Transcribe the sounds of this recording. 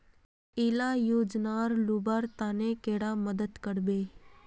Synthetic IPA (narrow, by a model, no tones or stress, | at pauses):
ɪlaːjoːd͡ʒnaːɾluːbaːɾt̪aːnekeːɽaːməd̪əd̪kəɽbeː